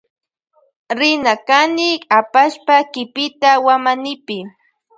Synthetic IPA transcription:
ɾɪnakanɪapaʃpakɪpɪt̪awamanɪpɪ

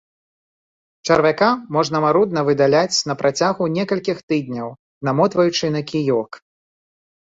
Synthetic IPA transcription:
t͡ʂɐɾvʲakamɔʐnɐmaɾud̪̚nɐvɨd̪alʲat͡sʲnɐpɾʔat͡sʲaɣunʲɛkɐlʲkʲixt̪ɨd̪ʲnʲɐw | namɔt̪vɐjut͡ʂɨnɐkʲijɔk

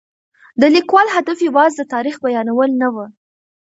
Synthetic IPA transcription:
d̪əlikwɑlhad̪afjawɑzd̪ət̪ɑɾixbajɑnawəlnawə

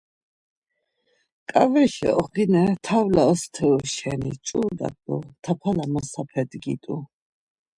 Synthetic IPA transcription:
kʼavɛʃɛ̰ɔχɡinɛt̪ʰawlaɔst̪ʰɛuʃɛnit͡ʃʼud̪a̰t̪ʼut̪ʰapʰalamɔsapʰɛd̪ɡit̪ʼu

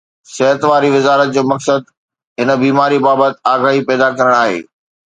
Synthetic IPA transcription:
sɛɦət̪ʋaːɾiʋɪzaːɾət̪̚d͡ʑoːmɐksəd̪̚ | ɦɪnə̆biːmaːɾibaːbət̪aːɡaːɦipɛːd̪akɐɾəɽ̃aːɦḛː

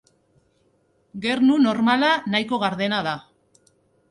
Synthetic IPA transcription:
ɡe̞rnuno̞ɾmalanajko̞ɣaɾðe̞naða

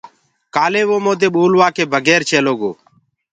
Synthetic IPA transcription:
kaːleːʋoːmoːd̪eːɓoːlʋaːkeːbʱəɡɛːɾt͡ʃʰeːloːɡo̰ː

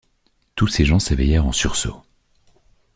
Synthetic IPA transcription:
t̪useʒɑ̃sevɛjɛʁɑ̃syʁso̰

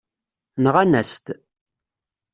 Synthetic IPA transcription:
nəʁænæst̪

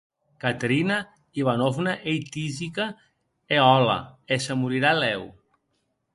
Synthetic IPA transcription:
kat̪ɾina | iβanofnaʔejt̪izika | eɔla̰esəmuɾiɾalɛw

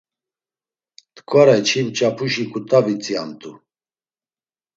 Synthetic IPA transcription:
t̪ʼkʼɔɾajt͡ʃʰimt͡ʃʼapʰuʃikʰut̪ʰʼavit͡sʼiamt̪ʼu

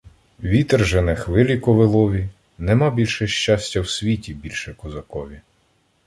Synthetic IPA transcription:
ʋʲit̪ɛrʒenɛxʋɪlʲikɔʋɪlˠɔʋʲi | nɛmɑbʲilʲʃɛʃt͡ʃasʲtʲɐwsʲʋʲitʲibʲilʲʃɛkɔzɐkɔʋʲi

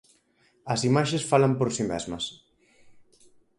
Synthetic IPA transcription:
ɐsimaʃesfalɐmpoɾsimɛ̰zmɐs

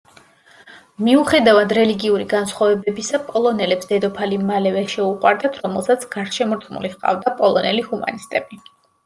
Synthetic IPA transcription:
miuχɛd̪avad̪ɾɛliɡiuɾiɡansχwavɛbɛbisapʼɔlˠɔnɛlɛpsd̪̥ɛd̪ɔpʰalimalɛvɛʃɛuqʼwa̰ɾd̪at̪ʰɾɔmɛlˠsat̪sʰɡ̥aɾʃɛmɔɾt̪χmṵliχqʼa̰vd̪apʼɔlˠɔnɛlihuma̰nist̪ʼɛb̥i

